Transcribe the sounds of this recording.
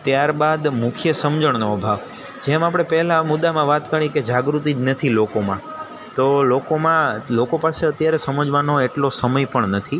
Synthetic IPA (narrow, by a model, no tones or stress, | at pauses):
t̪jaɾbad̪mʊkʰjəsəmd͡ʒəɳ̃noəbʱaʋ | d͡ʒemap̬ɽ̃epɛɦlamʊd̪amãʋat̪kəɳ̃ĩked͡ʒaɡɾut̪̬id͡ʒnət̪ʰilokomã | t̪olokomãlokopaseət̪jaɾesəməd͡ʒʋanoeʈlosəməjpəɳnət̪ʰi